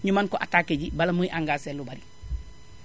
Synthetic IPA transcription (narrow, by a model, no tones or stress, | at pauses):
ɲumankoʔatakeɟibalɐmuiʔaŋɡaːselubaɾi